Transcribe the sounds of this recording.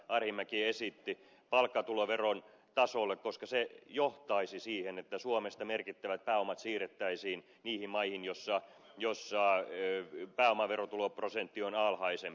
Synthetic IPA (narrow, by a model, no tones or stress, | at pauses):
ʔɑrhimːækiesit̪ːi | pɑlkːɑt̪uloʋeron | t̪ɑsolːekkoskɑsejoht̪ɑisisiːhenet̪ːæsuomest̪ɑmerkit̪ːæʋæt̪̚pæːomɑt̪siːret̪ːæisiːn | niːhimmɑihinjosːɑjosːɑ | pæːomɑʋerot̪uloprosent̪ːionɑlhɑisemp